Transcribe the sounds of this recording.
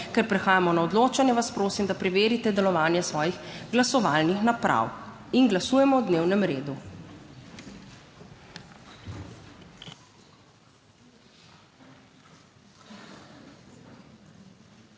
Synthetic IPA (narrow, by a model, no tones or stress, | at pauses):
kɛɾpɾɛxaːjamɔnaɔd̪loːt͡ʃanjɛʋaspɾoːsimd̪apɾɛʋeːɾit̪ɛd̪ɛlɔʋaːnjɛsʋɔːjixɡlasɔʋaːlnixnapɾa̰winɡlasuːjɛmɔwd̪neːwnɛmɾeːd̪u